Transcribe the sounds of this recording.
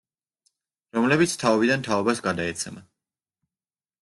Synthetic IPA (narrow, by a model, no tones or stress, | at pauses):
ɾɔmlɛbit̪sʰt̪ʰaɔbid̪ant̪ʰaɔbasɡad̪aɛt̪sʰɛma